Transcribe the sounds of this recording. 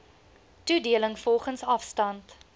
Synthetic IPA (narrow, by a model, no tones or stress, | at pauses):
tudiələŋfɔlˠχənsɐfstɐnt